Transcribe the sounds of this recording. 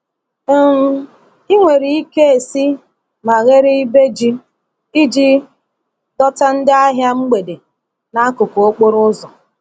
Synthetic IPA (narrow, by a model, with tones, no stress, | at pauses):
i˦ŋʷe˨ɾi˨i˦ke˦e˨si˦ | ma˨ɣe˦ɾɪ˦i˦be˦d͡ʒi˦ | i˦d͡ʒi˦ | dɔ˦ta˦n̩˦dɪ˦a˦ɦja˦ŋ͡m̩˦ɡ͡be˨de˨ | na˨a˦kʊ˨ko˨o˦k͡po˦ɾʊ˦zɔ˨